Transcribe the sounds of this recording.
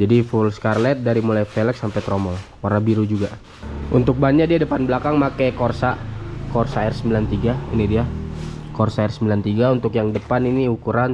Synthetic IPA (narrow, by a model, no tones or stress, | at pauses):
d͡ʒadifulskarlɛt̪̚daɾimulajfɛlɛksampɛt̪ɾɔmɔl | warnabiɾud͡ʒuɡa | ʔunt̪ʊk̚baɲakdiadəpanbəlakaŋmakɛkɔrsakɔrsaɛrsəmbilant̪iɡaḭnidiakɔrsaɛrsəmbilant̪iɡaunt̪ʊkjaŋdəpaniniukuɾan